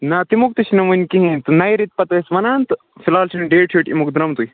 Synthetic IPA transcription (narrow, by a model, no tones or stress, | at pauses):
nɐt̪imuk̚t̪uʃinɐʋɨnʲkiɦĩt̪ɨnɐjɾit̪̚pɐt̪ɐsʋɐnaːnt̪ | filaːlt͡ʃʰinɖeːʈʰiːʈḭmukd̪uɾɐmt̪uj